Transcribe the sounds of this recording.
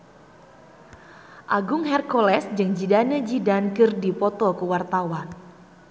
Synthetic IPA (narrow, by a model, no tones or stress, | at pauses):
ʔaɡʊŋɦɛrkɔlɛsd͡ʒɨŋd͡ʒidanəd͡ʒidankɨrdipɔt̪ɔkuwart̪awan